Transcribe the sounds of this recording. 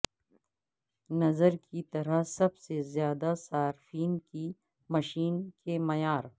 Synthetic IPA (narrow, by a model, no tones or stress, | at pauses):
nɐzəɾkit̪ɐɾasɐbsezjaːd̪asaːɾfiːnki | mɐʃiːnkemɐjaːɾ